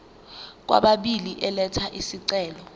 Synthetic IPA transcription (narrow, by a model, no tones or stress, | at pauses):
k̬wa̰ɓaɓiliʔɛlɛtʰaʔisiǀɛːlɔ